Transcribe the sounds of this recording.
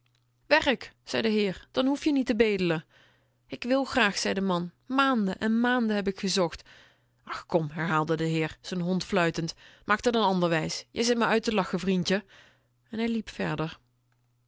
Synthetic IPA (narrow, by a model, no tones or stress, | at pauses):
ʋɛrəkz̥ɛjdəɦɪːrd̥ɑnɦufjənitəbejdələ | ɪkʋɪlˠxraːxsɛjdəmɑnmaːndəʔɛnmaːndəɦɛpɪkxəzɔxt | ʔɑxkɔmɦɛɹɦaːlˠdədəɦɪːɹz̥ənɦɔntflœɥtəntmaːk̚tɑtənɑndəɹʋɛjsjɛjzɪt̚mɛjœɥtəlɑxəvrintə | ɛnɦɛjlipfɛ̰ɹdəɹ